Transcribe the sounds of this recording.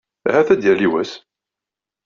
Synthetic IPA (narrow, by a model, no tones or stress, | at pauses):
hæθæd̪jæliwæs